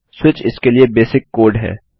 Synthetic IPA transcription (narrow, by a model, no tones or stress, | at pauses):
swɪt͡ʃɪskeliebeːsɪkːoːɾɖɦɛ̰ː